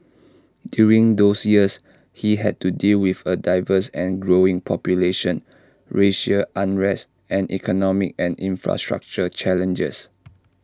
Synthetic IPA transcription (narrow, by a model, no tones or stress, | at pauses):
djuɹĩŋd̪osjiəs | hiɦɛd̚tudilwifədaɪvəsɛ̃nɡɹoĩŋpʰɔpjuleʃə̃n | ɹeʃəʔãnɹɛs | ɛ̃nʔikʰɔnɔmik̚ɛ̃nĩnfɹa̰stɹa̰k̚t͡ʃət͡ʃɛlə̃nd͡ʒə̰s